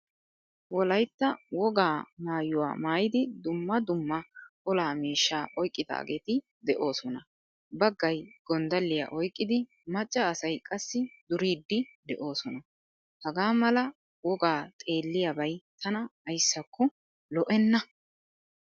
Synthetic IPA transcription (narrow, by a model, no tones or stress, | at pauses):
wɔlɐjt̪ːɐwɔɡaːmaːjːʊwa̰ːmaːjɪd̪ɪd̪ʊmːɐd̪ʊmːɐkʼɔlaːmiːʃːaːʔɔjkʼːɪd̪a̰ːɡeːt̪ɪ | d̪ɛʔo̞ːsɔnɐ | bɐɡːɐjɡ̥ɔnd̪ɐlːɪja̰ʔɔjkʼːɪd̪ɪ | mɐt͡ʃʼːɐːsɐjkʼɐsːɪd̪ʊɾiːd̪ːɪd̪ɛʔo̞ːsɔnɐ | hɐɡaːmɐlɐ | wɔɡaːt̪ʼe̞ːlːɪjɐbɐjt̪ʰɐnɐːjsːɐkːɔ | lɔʔɛnːɐ